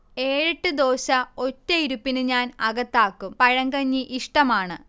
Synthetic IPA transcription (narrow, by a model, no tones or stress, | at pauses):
e̞ːɻiʈːɨd̪o̞ːɕɐo̞tːɐiɾupːinɨɲaːnɐɣɐt̪ːaːkːumpɐɻɐŋɡɐɲːiʔiʂʈɐmaːɳɨ